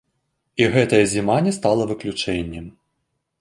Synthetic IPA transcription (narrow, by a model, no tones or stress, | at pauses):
iɣɛt̪ɐjɐzʲimanʲɛst̪alˠɐvɨklʲut͡ʂɛnʲːɛm